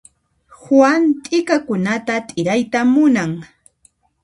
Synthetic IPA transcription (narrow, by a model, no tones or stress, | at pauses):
hwant̪ʼɪkakʊnat̪at̪ʼɪɾajt̪amʊnaŋ